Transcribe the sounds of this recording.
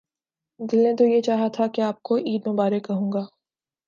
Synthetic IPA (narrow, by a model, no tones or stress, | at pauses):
d̪ɪlnẽt̪ojet͡ʃaːɦat̪ʰakeaːp̚koʔiːd̪nõbaːɾekɐɦũːŋɡaː